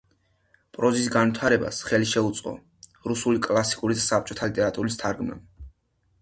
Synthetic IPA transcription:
pʼɾɔzisɡanvwit̪ʰaɾɛba̰sχɛliʃɛut̪sʼqʼɔ̰ | ɾusulikʼlˠasi̥kʼuɾid̪asap̚t͡ʃʼɔt̪ʰalit̪ʼɛɾat̪ʼuɾist̪ʰaɾɡma̰b

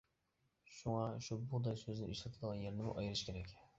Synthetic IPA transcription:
ʃuŋɑʃubud̪ɑjsøznɪʔiʃɛt̪ʰɯd̪ʁɑnjeɾnɪmṵʔɑjɯɾɯʃkʲʰeɾɛkʲ

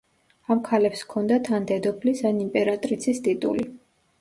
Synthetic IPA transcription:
amkʰalɛpskʰɔnd̪at̪ʰand̪ɛd̪ɔpʰlisanimpʼɛɾat̪ʼɾit̪sʰist̪ʼit̪ʼṵli

